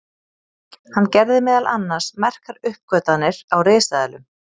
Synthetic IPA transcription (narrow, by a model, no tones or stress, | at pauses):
hanːcɛɾðɪmɛːðalʔa̰nːḁsmɛr̥kaɾʏhp̚kœːt̪anːɪɾ̥awreːsaðɛlʏm